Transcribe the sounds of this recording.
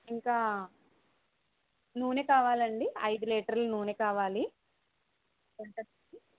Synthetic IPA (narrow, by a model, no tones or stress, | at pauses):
iŋkaː | nuːneːkaːʋaːlɐɳɖiɐjd̪uleːʈɐɾlunuːneːkaːʋaːli | uɳʈɐɐi